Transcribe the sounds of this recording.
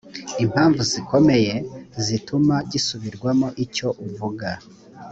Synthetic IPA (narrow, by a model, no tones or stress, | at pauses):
im̥haːɱvuziko̞me̞je̞zitʰumaɟisuβiɾɡwamoʔico̞ʔuvuɡa